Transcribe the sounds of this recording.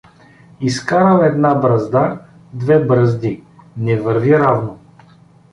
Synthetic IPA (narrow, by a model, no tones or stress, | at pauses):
iskaɾəlɛd̪nabɾɐzd̪a | d̪vɛbɾɐzd̪inɛvəɾviɾavno